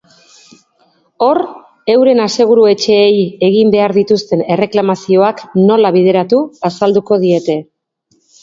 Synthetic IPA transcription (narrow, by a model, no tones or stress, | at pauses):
o̞ɾ | e̞wɾe̞nase̞ɣ̞uɾue̞t͡ʃe̞ːje̞ɣimbe̞aɾðit̪ust̪e̞ne̞re̞klamasio̞akno̞laβ̞ið̞e̞ɾat̪uasald̪uko̞ð̞ie̞t̪e̞